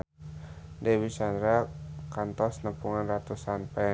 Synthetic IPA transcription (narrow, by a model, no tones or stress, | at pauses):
dɛwisandɾakant̪ɔsnəpuŋanrat̪usanpɛ